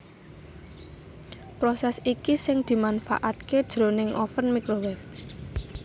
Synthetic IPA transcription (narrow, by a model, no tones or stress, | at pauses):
pɾosɛsikisɪŋd̪̥i̤manfa̰ʔat̪ked̥ʒ̥ɾo̤nɪŋʔɔ̰fənmikɾowɛf